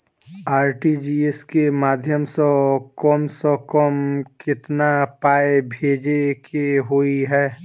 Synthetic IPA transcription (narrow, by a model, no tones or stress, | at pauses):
aːɾʈid͡ʒiːeskemaːd̪ʱjəmsɔkɔːmsɔkɔmkɪt̪napaːebʱeːd͡ʒekeɦoːiɦɛː